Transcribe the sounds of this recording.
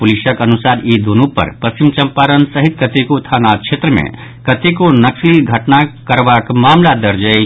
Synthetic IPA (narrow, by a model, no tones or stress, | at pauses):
pʊliʃəkɐnʊsaːd̪id̪onũpə̰ɾpɐst͡ʃimt͡ʃɐ̃mpaːɾənsəɦɪt̪̚kət̪ekot̪ʰaːnaʃʰeːt̪ɾəmḛ̃ | kɐt̪ekonɐksliɡʱɐʈnakəɾʋakmaːmlad̪əɾd͡ʒə